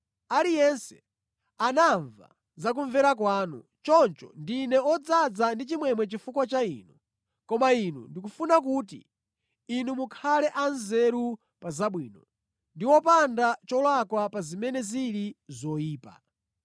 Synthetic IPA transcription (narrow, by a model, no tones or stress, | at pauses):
alijɛnsɛ̥ | anaɱva̰ | zak̬uɱvɛɾak̬waːnṵ | t͡ʃɔnt͡ʃɔ̰ndinɛɔd͡zad͡zandit͡ʃimwɛmwɛt͡ʃifukwat͡ʃaḭnu | kɔmainṵndik̬ufunak̬uːt̬ḭː | numukʰalɛʔanzɛɾu | pazaɓwiːnɔ | ndiwɔpandat͡ʃɔlwakwapazimɛnɛziɾizɔiːpa̰